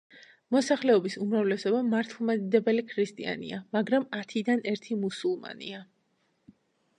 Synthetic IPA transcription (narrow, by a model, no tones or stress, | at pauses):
mɔsaχlɛɔbisumɾavlɛsɔbamaɾt̪ʰlˠmad̪id̪ɛbɛlikʰɾist̪ʼia̰nḭamaɡɾamat̪ʰid̪anɛɾt̪ʰimusulˠma̰nḭa